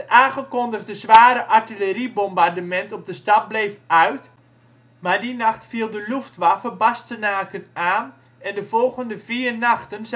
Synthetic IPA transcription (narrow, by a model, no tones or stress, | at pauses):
ʔaːnχəkɔndəχdəzʋaːɾəʔaɹtiləɾibɔmbardəmɛntɔb̚dəstɑt̚blejfœɥt | maːɹdinɑχtfiəlˠdəluftʋafəbastənaːkənaːn | ɛndəv̥ɔlˠɣəndəv̥iːrnɑxtənz